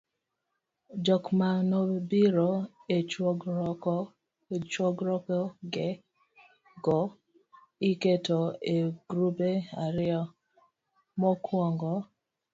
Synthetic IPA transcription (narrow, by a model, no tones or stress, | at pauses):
d͡ʒɔkmanobiɾoet͡ʃɡk | t͡ʃwɔɡɾɔkɔɡɛ | ɡɔ | iketoeɡ̥ɾubeaɾɪɔ | mɔkʰwɔŋɡɔ